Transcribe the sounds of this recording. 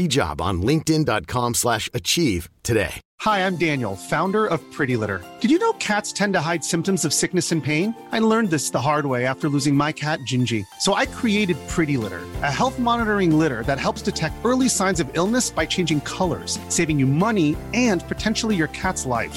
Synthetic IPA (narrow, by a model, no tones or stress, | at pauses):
id͡ʒɑ̰b̰̃n̩lɪ̃ŋk̚tɪ̃ndɑt̚kʰɑ̃mslæʃɨt͡ʃʰiv̥tʰɨdḛɪ | haɪãɪ̃mdæ̃njl̩ˠfãʊ̃ndə˞ʌv̥pʰɹ̥ɪɾilɪ̰ɾə̰˞d̥ɨd͡ʒɨnoʊkʰætstʰɛ̃ntɨɦaɪd̥sɪ̃mp̚tɨ̃m̩zʌv̥sɪk̚nɨsɨ̃npʰẽɪ̃naɪlɜ̃˞nðɪsðəɦɑɹd̚weɪæftə˞lʉzɪ̃ŋmaɪkʰæt̚d̥ʒ̥ɪ̃nd͡ʒisoʊʔaɪkʰɹ̥ieɪɾɨd̚pʰɹ̥ɪɾilɪ̰ɾə̰˞ʔɨhɛlˠθmɑnəɾə˞ɪ̃ŋlɪɾə˞ðɨt̚ɦɛlˠpsd̥ɨtʰɛk̚tɜ˞lˠisãɪ̃nzʌvɪlˠnɨsb̥aɪt͡ʃʰẽɪ̃nd͡ʒɪ̃ŋkʰʌlˠə̰˞z̥seɪvɪ̃ŋjɨmʌniɨ̃npʰɨtʰɛ̃nʃl̩ˠijə˞kʰætslaɪf